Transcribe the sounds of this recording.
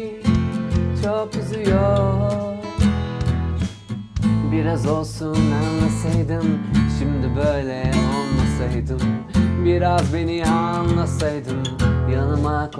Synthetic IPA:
t͡ʃʰopyzyjo | biɾazo̞lˠsunmænːˠasɑjd̪ɯmʃimd̪ɪbøjlɛjolˠmɑsɑjd̪ɯmbiɾazbeniɑnːɑsɑjd̪ɯmjɑnɯmɑk

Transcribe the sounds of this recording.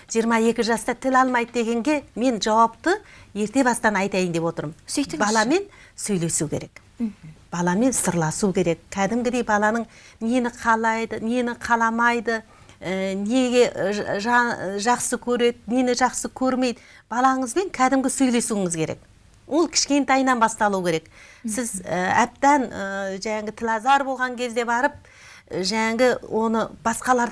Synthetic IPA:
ʒ̥ijəɾmɑje̞kʲɪʒɑst̪ɑt̪ʰɪlɑlˠmɑjd̪əd̪e̞ɡʲe̞ŋɡʲe̞me̞nʒɑwɑpt̪əje̞ɾt̪e̞bɑst̪ɑnɑjt̪ɑjənd̪e̞pwo̞t̪əɾəbɑlˠɑme̞nsɵjle̞sukʲʰe̞ɾe̞k | b̥ɑlˠɑme̞nsəɾlˠɑsukʲʰe̞ɾe̞kkʲʰːæd̪ɪmɡʲɪd̪e̞jbɑlˠɑnəɴnenɪqʰɑlˠɑjd̪əne̞nɪqʰɑlˠɑmɑjd̪ə | əneɡʲe̞ʒʒɑqsəkʲʰɵɾe̞d̪ɪnenɪʒɑqsəkʲʰɵɾme̞jd̪ə | b̥ɑlˠɑɴəzbe̞ŋkʲʰæd̪ɪmɡʲɪsɵjle̞suɪŋɪzkʲʰe̞ɾe̞̰k | wʔo̞lˠkʲʰɪ̥ʃkʲe̞nt̪ɑjnɑnbɑst̪ɑlˠuwkʲe̞ɾe̞ksɪzəæ̰p̚t̪ænəʒæŋaɡʲɪt̪ʰɪlʲɑzɑɾbo̞lˠʁɑŋkʲʰe̞zd̪e̞bɑɾəp̚ | ʒæŋaɡʲɪwʔo̞nəb̥ɑsqɑlˠɑɾ

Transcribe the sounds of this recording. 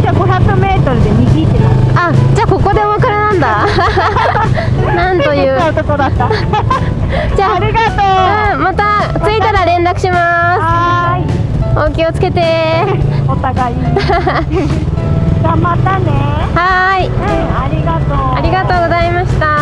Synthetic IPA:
kaɡo̞çakɯ̟me̞ːt̪o̞ɾɯ̟d̪emʲiɡʲit̪et̪aad͡ʑaːko̞ko̞d̪e̞oβakaɾenãnd̪a | nãnt̪o̞jɯ̟ːt̪okod̪at̪ːa | d͡ʑaːɾʲiɡat̪oɯ̃mat̪a | t͡sɨit̪aɾaɾẽ̞nd̪akɯ̟ɕimas | oːkʲio̞t͡sɨ̥ke̞t̪e̞ | ot̪aɡai | ɡamat̪ane | hai | aɾʲiɡat̪oaɾʲiɡat̪o̞ːɡo̞zaimaɕi̥t̪a

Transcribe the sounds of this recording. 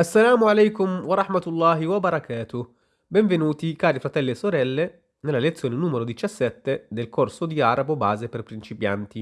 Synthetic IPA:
asːalaːmoalɛjkumwaɾaħmat̪ulːaːɦiwabaɾakʰaːt̪o | bɛɱvenuːt̪ikaːɾifɾat̪ɛlːeːsoɾɛlːe | nelːalet̪sːjoːnenuːmeɾod̪it͡ʃasːɛt̪ːed̪elkorsod̪iaɾabobaːzeperpɾint͡ʃipja̰nt̪i

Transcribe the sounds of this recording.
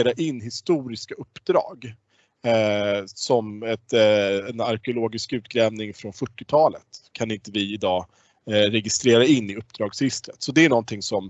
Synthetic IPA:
ɾaʔɪnːɦɪst̪uːɾɪskaɵpːd̪ɾɑ̰ːɡ | sɔmɛt̪ɛnaɾkɪʊloːɡɪskʉ̟ːt̪̚ɡɾɛːvnɪŋfɾɔnfœʈːɪt̪ʰɑːlə̰t̪kʰanɪnt̪əvɪɪd̪ɑː | ɾɛɡɪst̪ɾeːɾaɪnːɪɵpːd̪ɾɑːɡsɪst̪ɾət̪sɔd̪ɛæɳɔnt̪ʰɪŋsɔm

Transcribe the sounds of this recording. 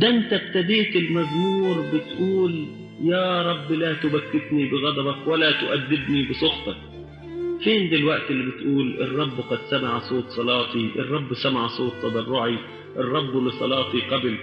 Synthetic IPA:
d̪aʔɪnt̪ab̚t̪ad̪eːt̪ɪlmazmuːɾbɪt̪ʔuːl | jaːɾˤɑbːlat̪ʊbakːɪt̪nibɪɣɑd̪ˤɑbɑkwɪlat̪ʊʔad̪ːɪb̪nibɪsˤʊxt̪ˤɑk̚ | feːnd̪ɪlwaʔt̪ɪlːibɪt̪ʔuːlʔɪ̰rˤːɑbːqɑd̪samaʕsˤoːt̪sˤɑlɑːt̪ˤiʔɪ̰rˤːɑbːsamaʕsˤoːt̪ˤːɑbɑrˤːʊʕi | ʔɪrˤːɑbːlɪsˤɑ̰lɑːt̪ˤiqabl

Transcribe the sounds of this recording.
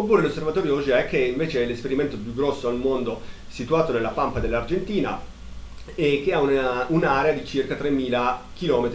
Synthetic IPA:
opːuːɾelosːervat̪ɔːɾjoɔd͡ʒiɛkːeiɱveːt͡ʃeɛlːespeɾiment̪opjuɡːɾɔsːoalmond̪o | sit̪uaːt̪onelːapampad̪elːard͡ʒent̪iːna̰ | ek̟ːeaununaːɾead̪it͡ʃirkat̪ɾemːiːlak̟ilɔːmet̪i

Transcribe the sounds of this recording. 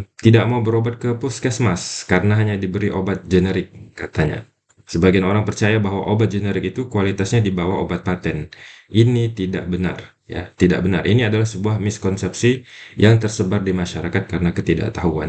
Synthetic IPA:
t̪idaʔ̚mawbəɾobat̪̚kəpʊskɛsmaskaɾənaɦaɲadibəɾiʔobat̪̚d͡ʒənɛɾɪkːat̪aɲa̰ | səbaɡianoɾaŋpərt͡ʃajabaɦwa̰ʔobat̪̚d͡ʒənɛɾɪk̚it̪ukualit̪asɲadibawaobat̪̚pat̪ɛninit̪ida̰ʔbəna̰r | ja̰t̪ida̰ʔbənarʔḭniadalahsəbuahmɪskɔnsɛp̚sijʔaŋt̪ərsəbardimaʃaɾakat̪̚kaɾənakət̪ida̰ʔt̪aɦua̰n

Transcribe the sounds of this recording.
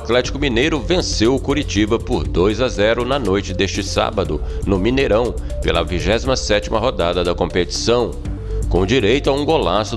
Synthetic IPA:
at̪lɛt͡ʃi̥kʊmĩnejɾʊvẽsewʊkuɾit͡ʃibɐpʊɾd̪ojzɐzɛɾʊnɐnojt͡ʃɪd̪est͡ʃɪsa̰bɐd̪ʊnʊmĩneɾɐ̃w̃ | pelɐ̰viʒɛzimɐsɛt͡ʃimɐɦod̪ad̪ɐd̪ɐkõpet͡ʃi̥sɐ̃w̃ | kõd͡ʒiɾejt̪ʊɐũɡolasʊ

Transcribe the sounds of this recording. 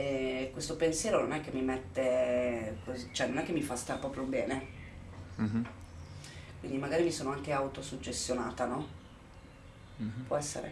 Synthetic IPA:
ɛkwest̪opensjɛːɾononɛk̟ːemːimet̪ːe | kʰozit͡ʃoɛnonɛkːemːifast̪aɾpɾɔːpɾjobɛːne | kwind̪imaɡaːɾimisoːnoaŋk̟eawt̪osut͡ʃːest̪jona̰ːt̪anɔ | pwɔɛsːḛɾḛ

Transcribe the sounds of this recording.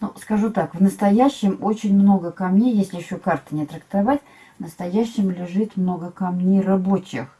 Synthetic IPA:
nuskɐʐut̪akvnəst̪ɐjæɕːɪmot͡ɕɪnʲmno̞ɡəkɐmnʲejesʲlʲɪjɪɕːokart̪ɨ̥nʲɪt̪ɾəkt̪ɐvatʲ | vnəst̪ɐjæɕːɪmlʲɪʐɨt̪mno̞ɡəkɐmnʲejrɐbot͡ɕɪ̰x

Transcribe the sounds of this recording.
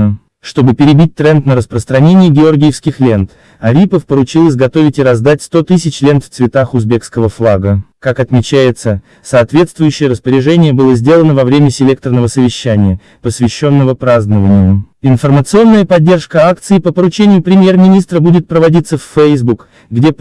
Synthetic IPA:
ə | ʂt̪o̞bɨpʲɪɾʲɪbʲit̚ʲt̪ɾɛnt̪nəɾəspɾəst̪ɾɐnʲenʲɪjəɡʲɪo̞rɡʲɪjɪfskʲɪxlʲe̞nt̪ | ɐɾʲipəfpəɾʊt͡ɕilˠəs̬ʲɡɐt̪o̞vʲɪtʲɪɾɐzd̪atʲst̪o̞t̪ɨsʲɪt͡ɕlʲe̞nt̪ft̪svʲɪt̪axʊzbʲe̞kskəvəflˠaɡəkakɐt̪mʲɪt͡ɕæjɪt̪sə | saːt̪vʲe̞t̪st̪vʊjʏɕːɪjəɾəspəɾʲɪʐɛnʲɪjəbɨlˠəzʲdʲelˠənəvɐvɾʲemʲəsʲɪlʲek̚t̪ərnəvəsəvʲɪɕːænʲɪjə | pəsvʲɪɕːo̞nːəvəpɾaznəvənʲɪjʊɪnfərmət̪sɨo̞nːəjəpɐdʲːe̞rʂkəak̚t̪sɨɪpəpəɾʊt͡ɕenʲɪjʊpɾʲɪmʲjermʲɪnʲist̪ɾəbudʲɪt̪̚pɾəvɐdʲit̪səfʲːejzbuk | ɡdʲe

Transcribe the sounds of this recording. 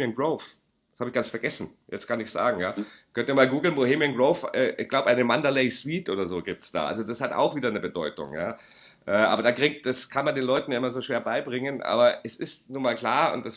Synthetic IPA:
ənɡʁoʊf | d̥ḁshaːbɪçɡ̥ansfɛɐɡɛsn̩jɛ̰t͡stkanɪçz̥a̰ːɡŋ̩jaːkʰœntiːɐmaːlɡuːɡl̩nboheːmiənɡʁoʊfɛːʔɪçɡ̥laʊbəʔaɪnəmandaleɪswiːtʔo̰ːdɐzoːɡiːp̚tsd̥a̰ːʔa̰lzodashata̰ʊxv̥iːdɐnəbədɔʏtʊ̰ŋja̰ː | ʔɛːʔa̰ːbɐdaːɡʁɪŋ̚t̚d̥askʰanmandeːnlɔʏtn̩jaʔɪmɐzoːʃeːɐbaɪbʁɪŋənʔa̰ːbɐɛsɪstnuːɐmaːlkl̥aːɐʔʊ̰nt̚d̥as

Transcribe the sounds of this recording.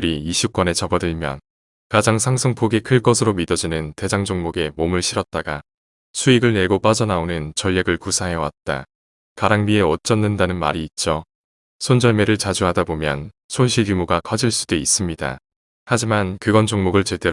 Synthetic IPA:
ɾiiɕʰuk͈wʌne̞t͡ɕʌbʌdɯɭmjʌ̰n | kad͡ʑaŋsʰaŋsʰoŋpʰoɡe̞kʰɯɭk͈ʌsʰɯɾomidʌd͡ʑinɯnte̞d͡ʑaŋd͡ʑoŋmoɡe̞momɯɭɕʰiɾʌt̚t͈aɡa | sʰuiɡɯɭne̞ɡop͈ad͡ʑʌnaonɯnt͡ɕʌʎːjeɡɯɭkusʰaɦeʌwa̰t̚t͈a̰ | kaɾaŋbie̞ʌt͡ɕ͈ʌnːɯndanɯnma̰ɾiːt̚t͡ɕ͈o | sʰond͡ʑʌɭme̞ɾɯɭt͡ɕad͡ʑuɦadabomjʌn | sʰonɕʰijumuɡakʰʌd͡ʑiɭs͈u̥deis͈ɯmɲida̰ | had͡ʑimankɯɡʌnd͡ʑoŋmoɡɯɭt͡ɕe̞de̞

